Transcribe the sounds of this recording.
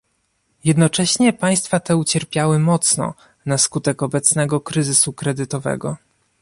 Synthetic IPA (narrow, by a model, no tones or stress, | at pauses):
jɛd̪nɔt͡ʂɛɕɲɛpaj̃st̪fat̪ɛut͡ɕɛɾpʲjawɘmɔt̪snɔ̰ | naskut̪ɛkɔbɛt̪snɛɡɔkɾɘzɘsukɾɛd̪ɘt̪ɔvɛ̰ɡɔ